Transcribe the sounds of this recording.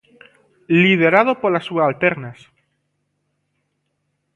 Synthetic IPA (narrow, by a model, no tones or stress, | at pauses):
lið̞eɾað̞opoɾlasuaalt̪eɾnas